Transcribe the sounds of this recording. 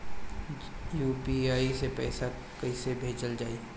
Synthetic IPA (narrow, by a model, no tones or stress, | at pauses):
juːpiaːisepɛːsa | kɐisebʱeːd͡ʒəld͡ʒaːi